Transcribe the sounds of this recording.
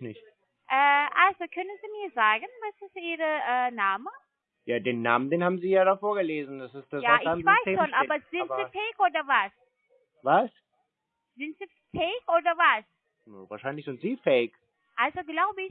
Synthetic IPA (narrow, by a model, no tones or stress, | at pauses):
nɪçt | ʔɛːʔalzokʰœnənziːmiːɐzaːɡənvasɪstiːʁəʔɛːnaːmə | jaːdeːnːa̰ːməndeːnhaːbm̩ziːjaːdafoːɐɡəleːzn̩dasɪst̚d̥asjaːɪaːmvaɪsːʃonʔaːbɐz̥ɪtz̥ifɛɪkʔoːdɐvas | vas | z̥ɪntz̥iː | fɛɪkoːdɐvas | nvaːɐʃaɪnlɪçz̥ɪntz̥iːfɛɪk | ʔalzoɡlaʊbəɪç